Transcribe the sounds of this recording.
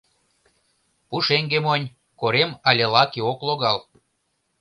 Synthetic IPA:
puʃeŋɡemonʲ | koɾemɑlʲelɑkeokloɣɑl

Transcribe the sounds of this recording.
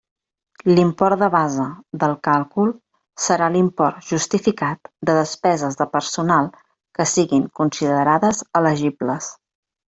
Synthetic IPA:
limpɔrt̪d̪əβazəðəlˠkalˠkulˠ | səɾalimpɔrt̪ʒust̪ifikat̪d̪əðəspɛzəzðəpəɾsunalˠ | kəsiɣiŋkunsiðəɾaðəzələʒibləs

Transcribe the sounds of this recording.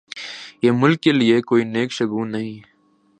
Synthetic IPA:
jeːmʊlkːeliekoːineːkʃɐɡũːnɐɦĩː

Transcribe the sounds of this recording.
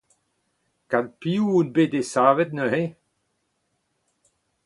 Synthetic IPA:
kanpiuunbedesaːvɛt̪̚nəhe

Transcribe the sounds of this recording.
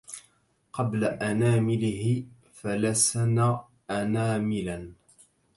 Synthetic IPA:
qɑblaʔanaːmɪlɪɦɪ | falasanaː | ʔanaːmɪlan

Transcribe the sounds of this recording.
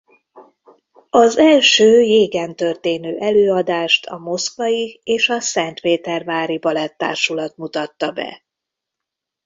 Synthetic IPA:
ɒzɛlʃøːjeːɡɛnt̪ø̞rt̪eːnøːʔɛløːɒd̪aːʃt̪ʰɒ̰mo̞skʋɒjieːʃɒsɛnt̪peːt̪ɛrvaːɾibɒlɛt̪ːa̰ːrʃulɒt̪mut̪ɒt̪ːɒbɛ̰

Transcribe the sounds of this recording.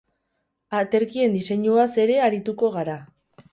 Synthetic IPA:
at̪e̞ɾkie̞nd̪ise̞ɲuase̞ɾe̞aɾit̪uko̞ɣaɾa

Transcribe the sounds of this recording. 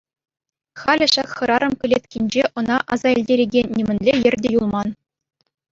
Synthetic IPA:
χɑlʲɘ̆ʃɑkχɤ̆ɾɑɾɤ̆mkʲɘ̆lʲet̪ʲkʲenʲd͡ʑeʔɤ̆nɑʔɑzɑilʲdʲeɾʲeɡʲenʲːimʲɘ̆nʲlʲejɘ̆rʲdʲejulˠmɑn

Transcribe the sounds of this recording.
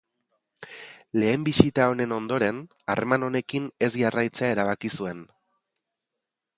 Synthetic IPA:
le̞ːmbisit̪ao̞ne̞no̞nd̪o̞ɾe̞n | a̰remano̞ne̞kine̞sʝarajt͡se̞ae̞ɾaβakisue̞n

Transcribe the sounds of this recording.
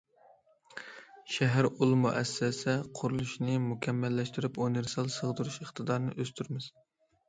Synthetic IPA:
ʃɛɦæɾulˠmuʔɛsːɛsɛqʰʊɾulˠuʃnɨmukʲʰɛmːɛlːɛʃt̪yɾyponɨɾsɑlˠsəʁd̪ɨɾuʃəχt̪ɨd̪ɑɾnɨ̰ʔøst̪ʰyɾmɪz̥

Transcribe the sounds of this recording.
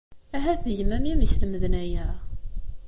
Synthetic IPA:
æɦæθəʝəmæmæmiçlməðənæjæ

